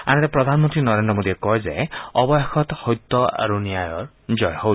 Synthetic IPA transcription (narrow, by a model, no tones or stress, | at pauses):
anet̪epɾɔd̪ʱanmɔnt̪ɾinɔɾend̪ɾɔmod̪iekɔezḛɔbɔjakʰɔt̪hojt̪ːɔa̰ɾuniajɔ̰ɾ | d͡ʒɔjɔhow